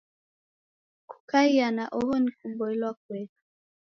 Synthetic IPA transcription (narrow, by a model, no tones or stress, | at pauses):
ku̥kaianaʔɔhɔnikuɓɔilwak̚wɛtu̥